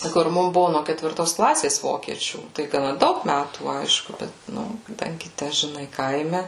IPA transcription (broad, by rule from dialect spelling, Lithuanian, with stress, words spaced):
kʊr ˈmʊm ˈbʊʋʊ noː kʲɛtʲʋʲɪrˈtoːs ˈklˠɑːsʲeːs ˈʋoːkʲiɛt͡ʃʲuː tɐɪ ɡɐˈnɐ ˈdɐʊk ˈmʲætuː ˈɐɪʃkʊ ˈbʲɛt ˈnʊ kɐˈdɐŋʲɡʲɪ ˈtʲæ ʒʲɪˈnɐɪ ˈkɐɪmʲɛ